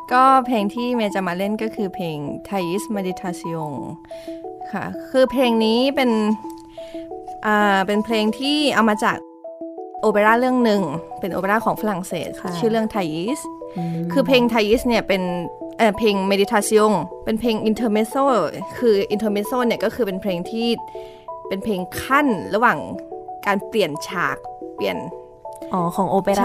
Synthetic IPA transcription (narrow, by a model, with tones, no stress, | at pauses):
kɔː˥˩pʰleː˧ŋt̪ʰiː˥˩mɛː˧t͡ɕa˨˩maː˧le˥˩nkɔː˥˩kʰɯː˧pʰeː˧ŋt̪ʰaː˧ji˦˥smeː˧di˧t̪ʰːaː˧si˧˥o˧ŋ | kʰa̰˥˩kʰɯː˧pʰleː˧ŋniː˦˥pe˧n | ʔaː˨˩pe˧npʰleː˧ŋt̪ʰiː˥˩ʔa˧wmaː˧t͡ɕa̰ː˨˩k̚ʔoː˧pe˧laː˥˩lɯ˥˩əŋnɯ˨˧ŋpe˧nʔo̰˧pe˧laː˥˩kʰɔː˩˦ŋfa˧la˨˩ŋsḛː˨˩t̪̚t͡ɕʰɯː˥˩lɯ˥˩əŋt̪ʰaː˧ji˦˥skʰɯː˧pʰleː˧ŋt̪ʰaː˧ji˦˥sni˥˩ɐpe˧nʔaː˨˩pʰeː˧ŋme˧di˧t̪ʰaː˧si˧˥o˧ŋpe˧npʰeː˧ŋʔi˧nt̪ʰɤː˧me˦˧˥soː˥˩kʰɯː˧ʔi˧nt̪ʰɤː˧me˦˥soː˥˩ni˥˩kɔː˥˩kʰɯː˧pe˧npʰleː˧ŋt̪ʰiː˥˩ | pe˧npʰeː˧ŋkʰa˥˩nɾa˧waː˨˩ŋkaː˧npli˨˩ənt͡ɕʰa̰ː˨˩k̚pi˨˩ən | ʔɔː˧˩kʰɔː˩˦ŋʔoː˧pe˧˥